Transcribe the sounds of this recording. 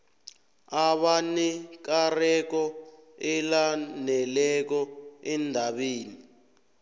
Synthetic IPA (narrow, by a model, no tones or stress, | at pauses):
aɓanɛk̬arɛk̬ɔɛlanɛlɛk̬ɔɛndʱaɓeːni